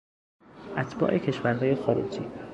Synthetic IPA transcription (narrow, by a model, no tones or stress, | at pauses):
ʔæt̪ʰb̥ɒ̰ːʔecʰe̞ʃvæɾɦɒːje̞xɒːɾḛd͡ʒḭː